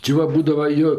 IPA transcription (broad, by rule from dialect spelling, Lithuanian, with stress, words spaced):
t͡ʃʲɪ ˈʋɐ ˈbuːdɐws ˈjoː